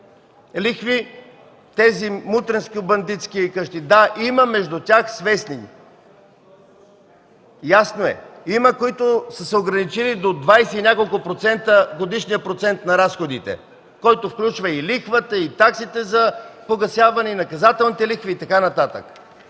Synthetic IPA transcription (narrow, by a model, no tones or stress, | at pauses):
lixvi | t̪ɛzimut̪ɾɛnskiʊbɐnd̪it̪skikəʃt̪id̪aʔiməmɛʒd̪ut̪ʲaxsvɛsni | jasnoɛ̰iməkoit̪osəsɛoɡɾɐnit͡ʃilid̪od̪vajsɛinʲjakolˠkʊpɾot̪sɛnt̪əɡod̪iʃnijəpɾot̪sɛnt̪nɐɾasxod̪it̪ɛ̰ | kɔjt̪ofklʲut͡ʃvəilixvət̪əit̪aksit̪ɛzɐpoɡɐsjavɐnɛinɐkɐzat̪ɛlˠnit̪ɛlixviːt̪ɐkanɐt̪at̪ə̰k